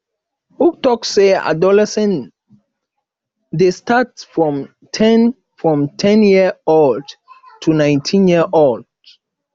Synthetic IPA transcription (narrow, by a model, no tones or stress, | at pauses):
uk̚tɔksea̰dɔlɛsɛ̃n | destatsfɹɔ̃m | tʰɛ̃n | fɹɔ̃mtʰɛ̃njiold | tʰunãj̃ntʰĩnjiəʔold